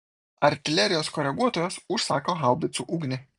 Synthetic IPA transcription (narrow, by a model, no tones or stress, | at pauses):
ɐɾʲt̪ʲɪlʲɛɾʲɪjoːskɔɾʲɛɡuɔt̪oːjɛsʊʃsɑːkoːɦɐlˠd̪ʲɪt̪suʔuːɡnʲɪ